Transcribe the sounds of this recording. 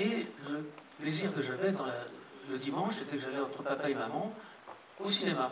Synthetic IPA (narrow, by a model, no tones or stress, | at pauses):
eləpleziʁkəʒavɛd̪ɑ̃laləd̪imɑ̃ʃset̪ɛkəʒalɛɑ̃t̪χəpapaemamɑ̃ | osinema